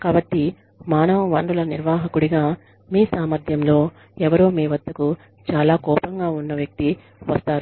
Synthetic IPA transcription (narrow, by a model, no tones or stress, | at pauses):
kaːbɐʈːi | maːnɐʋuʋɐɳɖulɐniɾʋaːɦɐkuɽiɡaː | miːsaːmɐɾd̪ʱjɐmlo̞ː | ɛʋɐɾoːmiːʋɐd̪ːɐku | t͡ʃaːlaːkɔːpɐŋɡaːunːɐʋjɐk̚t̪i | ʋɐst̪aːɾu